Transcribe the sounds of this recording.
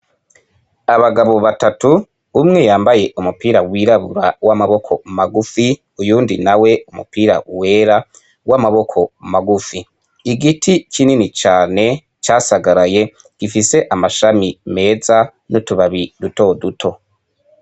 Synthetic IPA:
aβaɡaβo̞βatatu | βumŋe̞jaːmbaje̞ʔumupiːɾawiɾaβṵɾawamaβo̞kʰo̞maɡufi | ujuːndinawe̞umṵpiːɾa̰we̞ːɾa | wamaβo̞kʰo̞maɡufiː | ɡitʰikininit͡ʃaːne̞ | t͡ʃaːsaɡaɾaje̞ | ɡ̥ifise̞ʔamaʃamime̞ːza | nutuβaβiduto̞dutʰo̞

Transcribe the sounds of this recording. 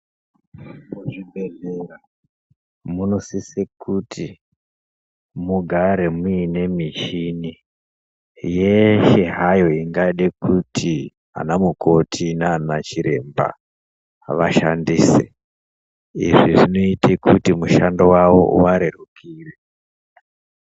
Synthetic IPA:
muʐibʱeɮera | muno̞sisekuti | muɡʱaɾe̞muine̞miʃini | jeʃeɦajo̞iŋɡaɗekutʰi | a̰namukʰo̞tʰinanat͡ʃiɾe̞mba̰ | ʋaʃa̰ndiːsḛ | ḭʐiʐino̞itʰekutimuʃandowawo̞̰waɾerukʰiːre

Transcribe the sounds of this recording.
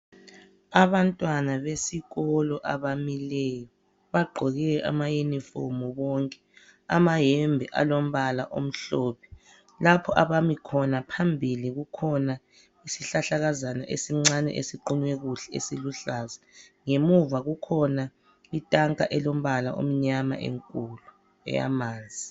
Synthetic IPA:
aβantʼwanaβesiɣɔlɔʔaβamilɛjɔ | βaɡ͡ǃʱɔɣɛʔa̰majenifɔ̰mɔβɔŋkʼɛ̥ | a̰maɦɛmbʱɛʔa̰lom̩βalaʔo̰m̩ɬɔːpʰɛ̥ | lapʰɔʔaβamikʰɔnapʰambʱiliɣukʰɔna | isiɬaɬaɣazana̰ʔesiŋ͡ǀanɛ̰ʔesiǃuɲwɛɣuɬɛḛsiluɬazɛŋemuvaɣukʰɔna | itʼaŋkʼa̰ʔɛlom̩βala̰ʔo̰m̩ɲama̰ʔḛŋkʼulu | ɛ̰ja̰maːnd͡zʱi

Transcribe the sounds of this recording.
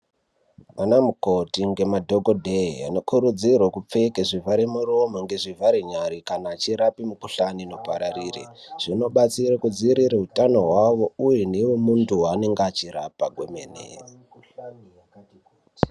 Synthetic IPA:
ʋanamuko̞tiŋɡe̞madʱoɡodʱea̰no̞kuɾud͡zirwakup͡fekeʐivaɾemuromoŋɡe̞ʐivaɾeɲaɾikanaːt͡ʃiɾapimukuɬanino̞paɾarirḛʐ̥ino̞ɓat͡sirakud͡ziɾiɾeɦutano̞ɦwaʋo̞ujenewemuntuwane̞ŋɡat͡ʃiɾapaɡʱwomḛːnḛ

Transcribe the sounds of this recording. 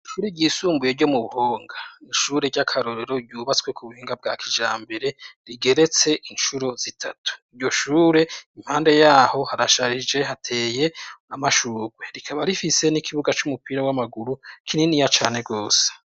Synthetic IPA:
ʃuːɾeɟiːsuːmbuje̞ɾɟo̞muβuhoːŋɡaniʃuːɾe̞ɟakʰaɾo̞ɾe̞ɾo̞ɟuːβat͡swe̞kʰuβuhiːŋɡab̚ɡakʰid͡ʒaːmbe̞ɾe̞ɾiɡe̞ɾe̞t͡se̞ʔinʃuɾo̞z̥itʰatu̥iɾɟo̞ʃuːɾe̞im̥haːnde̞jaːho̞haɾaʃaɾid͡ʒe̞ɦatʰe̞ːje̞amaʃuːɡweɾikʰaβaɾifise̞nikʰiβuɡat͡ʃumupiːɾawamaɡuɾukʰininijat͡ʃaːneɡo̞ːse̥

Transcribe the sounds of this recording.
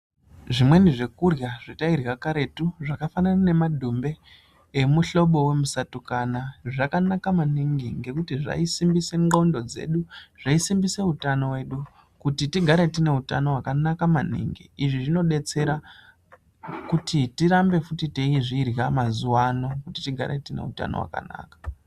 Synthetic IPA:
ʐimwe̞niʐe̞kurjaʐ̥itairjakaɾe̞tuʐakafananane̞madʱumbe̞ː | muɬo̞ɓo̞we̞musatukanaʐakanakamaniŋɡiŋɡe̞kutiʐa̰isimbise̞ŋɡaundo̞d͡ze̞̰ɗuʐ̥aisimbise̞utano̞we̞ɗu | kutitiɡʱaɾe̞tine̞utano̞wakanakamanḭŋɡḭiʐiʐino̞ɗe̞t͡se̞ɾa | kutitiɾambe̞futiteiʐiːrjamazuwano̞kutitiɡʱa̰ɾḛtine̞̰ṵta̰no̰wa̰ka̰na̰ːkḁ

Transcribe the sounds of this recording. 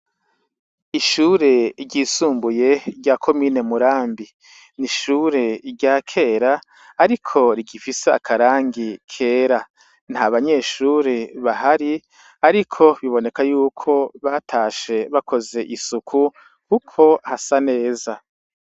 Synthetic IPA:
iʃuːɾe̞ɟisuːmbuje̞ɾɟakʰo̞miːne̞muɾaːmbi | niʃuːɾe̞ɾɟaːkʰe̞ːɾaː | ɾikʰo̞ɾiɡifise̞a̰kʰaɾaːŋɡikʰe̞ːɾa | n̥haβaɲe̞ːʃuːɾeβaɦaɾi | aɾikʰo̞βiβo̞ne̞kajuːkʰo̞βatʰaːʃe̞βakʰo̞ze̞ʔisukʰu | kukʰo̞hasane̞ːza

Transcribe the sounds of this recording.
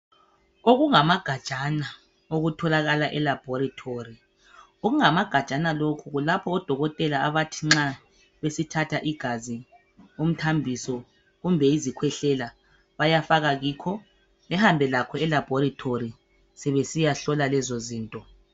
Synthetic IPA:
oɣuŋamaɡ̥ʱḁt͡ʃʼana | oɣutʰɔlaɣalaʔɛlab̥ʱɔɾitʰori | oɣuŋamaɡ̥ʱḁt͡ʃʼanalokʰuɣulapʰɔːd̥ʱɔɣɔtʼɛlaːβatʰiŋ͡ǁa | βesitʰatʰaʔiɡ̥ʱazi | um̩tʰambʱisɔ | ɣumbʱɛizikʰwɛɬɛla | βajafaɣaɣiːkʰɔ | lɛhambʱɛlakʰɔɛlab̥ʱɔɾitʰori | sɛβesijaɬɔlalɛzoziːntʼɔ

